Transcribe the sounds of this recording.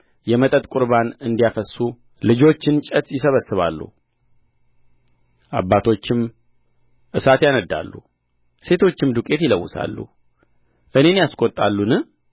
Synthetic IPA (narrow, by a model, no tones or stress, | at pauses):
jɛmət̪ʼət̪ʼkʼʊɾbanɨnd̪ijafəsːu | lɨd͡ʒo̞t͡ʃːɪnt͡ʃʼət̪jɪsəβəsːɨβa̰lːṵ | ʔa̰bːat̪ʰo̞t͡ʃːɪm | ʔɨsat̪janəd̪ːa̰lːṵ | se̞t̪ʰo̞t͡ʃːɪmd̪ukʼe̞t̪jɪləwːʊsa̰lːṵ | ʔɨne̞njaskʼo̞t̪ʼːalːunɨ